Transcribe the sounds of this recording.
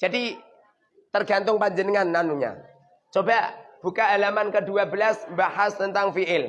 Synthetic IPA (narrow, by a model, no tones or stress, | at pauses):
d͡ʒadi | t̪ərɡant̪ʊŋpad͡ʒənəŋanːanuɲa̰ | t͡ʃobab̥ukaalamankəduabəlasmbaɦast̪ənt̪aŋfiʔɪl